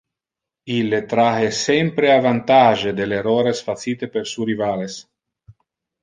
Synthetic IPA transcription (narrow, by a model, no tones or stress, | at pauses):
ilːet̪ɾahesɛmpɾeavant̪aʒed̪eleroɾesfat̪siːt̪epeɾsuɾivales